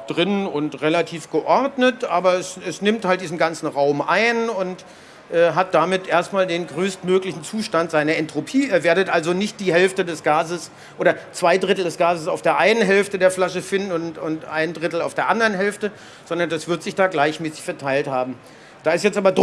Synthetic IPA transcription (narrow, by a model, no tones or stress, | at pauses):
d̥ʁɪnʊntʁelatʰiːfɡ̥əʔɔɐdnətʔaːbɐɛsɛsnɪmthaltd̥iːzn̩ɡant͡sn̩ʁaʊmʔa̰ɪnʊnt | ʔɛːɦat̚d̥aːmɪtʔeːɐstmaːldeːnɡʁøːstmøːklɪçn̩t͡suːʃtantz̥aɪnɐɛntʁ̥opʰiːɛːɐveːɐɾətʔalzonɪçt̚d̥iːɦɛlftədɛsɡ̥aːzəs | ʔoːɾɐt͡sv̥aɪdʁɪtl̩dɛsɡ̥aːzəsaʊfd̥eːɐʔaɪnənɦɛlftədeːɐflaʃəfɪndn̩ʊntʊntʔa̰ɪndʁɪtl̩aʊfd̥eːɐʔandɐʁənɦɛlftə | z̥ɔndɐndasv̥ɪɐtz̥ɪçd̥aːɡlaɪçmɛːsɪ̥çfɛɐtʰaɪlthaːbm̩ | d̥aːɪsjɛt͡stʔaːbɐd